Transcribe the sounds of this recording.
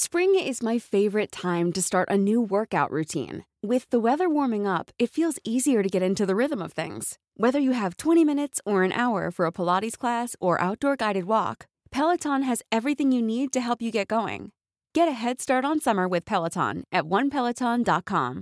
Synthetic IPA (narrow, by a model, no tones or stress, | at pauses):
spɹɪ̃ŋɪzmaɪfeɪvə˞ɨtʰãɪ̃mtɨstɑɹɾʔɨnʉwɜ˞kaʊʔɹʉtʰḭ̃n | wɪðəwɛðə˞wɔɹmɪ̃ŋʌpɨtfilˠziziə˞ɾɨɡɛɾɪ̃ntʉðɨɹɪðə̃mʌv̥θɪ̰̃ŋz̥ | wɛðə˞jɨɨv̥tʰw̥ɛ̃ɾ̃imɪ̃ñɨtsə˞ɨ̃nʔa̰ʊə̰˞fə˞əpʰəlɑɾiz̥kʰl̥æsə˞ʔa̰ʊt̚d̥ɔɹɡaɪɾɨd̚wɔ̰k | pʰɛlˠətʰɑ̃nɨzɛvɹiθɪ̃ŋjɨnid̚tɨɦɛlˠpjɨɡɛt̚ɡ̥oʊɪ̰̃ŋ | ɡ̥ɛɾɨɦɛd̥stɑɹɾn̩sʌmə˞wɨð̥pʰɛlˠətʰɑ̰̃nʔɨt̚wʌ̃npʰɛlˠətʰɑ̃ndɑt̚kʰɑ̰̃m